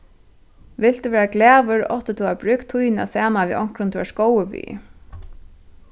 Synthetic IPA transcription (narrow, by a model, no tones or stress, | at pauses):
ʋɪl̥t̪uːʋɛːɹaɡlæːʋʏɹɔht̪ɪt̪ʰuːabɾʏːkt̪ʰujna̰sæːnaʋḭʔɔŋ̥kɾʊnt̪ʰuːaʂkɔwʏʋḭː